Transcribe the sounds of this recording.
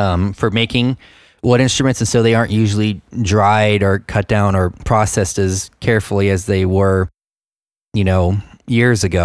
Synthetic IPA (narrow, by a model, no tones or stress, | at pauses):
ʌ̃mfə˞meɪkɪ̃ŋ | wʌɾɪ̃nstɹ̥ɨmɨ̃ntsn̩soʊðeɪɑɹnʔjʉʒl̩ˠidɹaɪɾə˞kʰʌt̚d̥ãʊ̃nə˞pʰɹ̥ɔsɛsɨz̥kʰɛɹfl̩ˠiɨzðeɪwə˞ | jɨnoʊjɪɹzɨɡoʊ